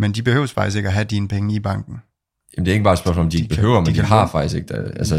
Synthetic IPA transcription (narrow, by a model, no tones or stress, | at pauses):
mend̥ib̥e̝hø̰ːʊsfɑ̈ɡ̥isɡ̥eɡ̥æɦæd̥iːnəpʰeŋəib̥ɑ̈ŋ̰ɡ̥n̩ | jæmndeæɐeɡəbɑ̈ːedsɶɐsmɔlɒ̽md̥ieɡ̥̚b̥e̝ɦø̰ːʊ̰ɐmnind̥ɦɑ̈fɑ̈ɡ̥̚d̥isɡ̥e̝ɡ̥ælsə